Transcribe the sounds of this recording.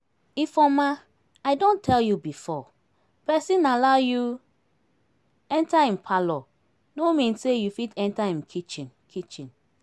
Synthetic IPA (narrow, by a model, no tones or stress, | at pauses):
ifɔma | aɪdõntʰɛljubifɔ | pɛsĩnalaʊju | ɛ̃ntaĩnpʰalɔ | nomĩnssejufitɛ̃ntaĩnkʰit͡ʃĩnkʰit͡ʃĩn